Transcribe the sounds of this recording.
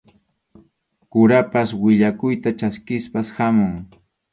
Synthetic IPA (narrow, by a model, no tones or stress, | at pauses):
kʊɾapaswɪʎakʊjt̪at͡ʃaskɪspashamʊŋ